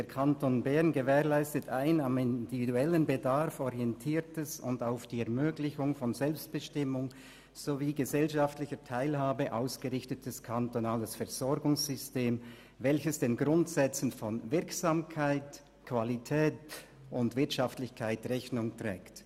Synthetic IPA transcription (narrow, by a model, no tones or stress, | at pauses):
d̥eːkʰantonbɛʁnɡəvɛːʁlaɪstətʰaɪnamɪndividuɛlənbədaʁfɔʁiɛntʰiːtəsʊ̰ndaʊfd̥iːɛɐmøːɡlɪçʊŋfɔnzɛlpst̚b̥əʃtɪmʊŋ | z̥oviːɡəzɛlʃaftlɪçətʰaɪlhaːbəʔaʊsɡ̥əʁɪçtət̚d̥ɛskʰantonaːləsfɛɐz̥ɔɾɡʊŋszʏsteːm | vɛlçəsd̥eːnɡʁʊntsɛt͡sn̩fɔnvɪɐksaːmkʰaɪt | kv̥alitʰɛːt | ʔʊndvɪɐtʃaftlɪçkʰaɪtʁɛçnʊŋtʁ̥ɛ̰ːkt